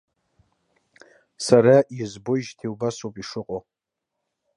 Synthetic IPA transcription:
saɾaizbojʒtʰewbasopʼiʂɨqʼo

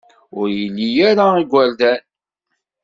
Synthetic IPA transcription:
ʊɾjəlːijaɾaiɡʷæld̪æn

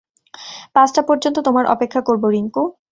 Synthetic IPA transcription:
pãsʈapɔɾd͡ʑont̪ot̪omaɾʔɔ̰pekʰːakoɾboɾiŋku

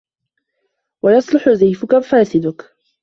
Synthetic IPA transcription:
wajɑsˤlʊħʊzajfʊkafaːsɪd̪ʊk

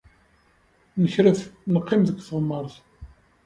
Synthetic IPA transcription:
nəçɾæθnəqːɪmðəɡʷθəʁəmːəɾˤθ

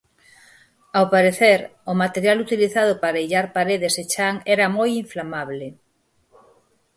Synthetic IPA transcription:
awpaɾeθeɾʊmat̪eɾjalut̪iliθaðʊpaɾaiʎaɾpaɾeð̞eset͡ʃaŋɛɾɐmojiɱflamaβle

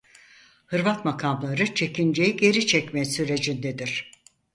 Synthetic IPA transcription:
hɯɾvat̪makʰamlˠaɾɯt͡ʃʰe̞kind͡ʒe̞jiɟe̞ɾit͡ʃʰɛcmɛsyɾe̞d͡ʒind̪ed̪iɾ̥

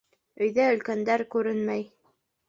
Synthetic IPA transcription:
ɵ̆jðæɵ̆lkænd̪æɾkʉɾɘnmæj

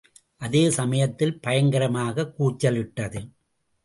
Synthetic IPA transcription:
ʔɐðeːsɐmɐjɐt̪ːɪlpɐjɐŋɡɐɾɐmaːɣɐkːuːt͡ʃːɐlɪʈːɐðɯ

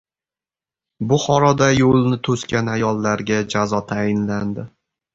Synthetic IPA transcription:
bʊχɒɾɒd̪ajolnɪt̪ʰɵskʲanajɒlˠːaɾɡʲad͡ʒazɒt̪ʰajɪnland̪ɪ

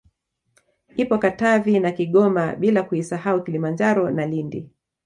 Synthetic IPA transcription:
ipɔkatavinakiɠɔmaɓilakuisahaukilimand͡ʒaɾɔnalindi

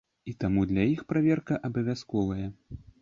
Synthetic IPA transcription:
it̪amud̪lʲɐjixpɾavʲɛrkɐʔɐbɐvʲaskɔvɐjɐ

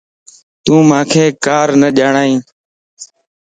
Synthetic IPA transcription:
t̪ũːmãːkʰeːkaːɾnəʄaːɳaːĩː

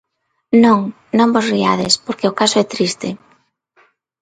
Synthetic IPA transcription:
nõŋ | nõŋbosriaðɪspoɾkeʊkasʊɛt̪ɾist̪ɪ

